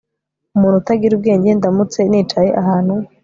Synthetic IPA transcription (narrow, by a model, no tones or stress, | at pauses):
umuːnhutaɡiɾub̚ɡe̞ːɲɟe̞ndamut͡se̞niːt͡ʃaje̞ʔaɦaːn̥hu